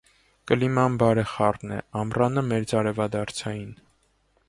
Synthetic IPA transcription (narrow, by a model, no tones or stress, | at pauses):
kəlimɑnbɑɾɛχɑrnɛ̰ɑmrɑnəmɛɾd͡zɑɾɛvɑd̪ɑɾt͡sʰɑjin